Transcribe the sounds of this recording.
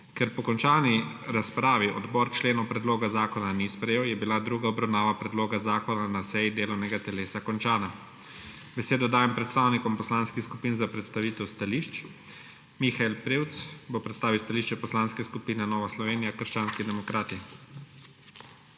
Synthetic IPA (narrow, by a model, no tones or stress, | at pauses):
kɛɾpɔkɔnt͡ʃaːni | ɾaspɾaːʋiʔɔ̰d̪bɔɾt͡ʃleːnɔpɾɛd̪loːɡazaːkɔnanispɾɛjeːwjɛbilad̪ɾuːɡaɔbɾawnaːʋapɾɛd̪loːɡazaːkɔnanasɛjid̪eːlɔwnɛɡat̪ɛleːsakɔnt͡ʃaːna | bɛseːd̪ɔd̪aːjɛmpɾɛt̪st̪aːwnikɔmpɔslaːnskixskupiːnzapɾɛt̪st̪aʋiːt̪ɛwst̪aliʃt͡ʃ | mixailpɾewt̪sbɔpɾɛt̪st̪aːʋiwst̪aliʃt͡ʃɛpɔslaːnskɛskupiːnɛnɔːʋaslɔʋeːnijakəɾʃt͡ʃaːnskid̪ɛmɔkɾaːt̪i